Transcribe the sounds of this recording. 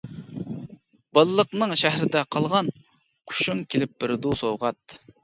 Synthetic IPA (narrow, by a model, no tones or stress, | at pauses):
b̥ɑlˠlˠəqnɨŋʃæɦɾɪd̪ɛqʰɑlˠʁɑn | qʰʊ̥ʃuŋkʲʰelɪp̚ːb̥ɪɾd̪usowʁɑt̪̚